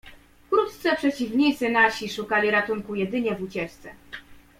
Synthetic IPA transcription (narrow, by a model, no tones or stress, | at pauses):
fkɾut̪t̪sɛpʂɛt͡ɕivɲit̪sɘnaɕiʂukalʲiɾat̪uŋkujɛd̪ɘɲɛvut͡ɕɛt͡ʂt̪sɛ